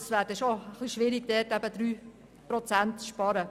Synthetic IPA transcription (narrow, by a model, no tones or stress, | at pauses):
sʋædɛʃoəχliʃʋɪɾiɡd̥ɛːtæbəd̪̥ɾyː | pɾɔt͡sæntʃpɑɾə